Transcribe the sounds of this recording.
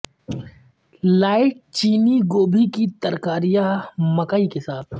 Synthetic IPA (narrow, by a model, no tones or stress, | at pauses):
laːɪʈ̚t͡ʃiːniɡoːbʱikit̪ɐɾkaːɾijamɐkaikesaːt̪ʰ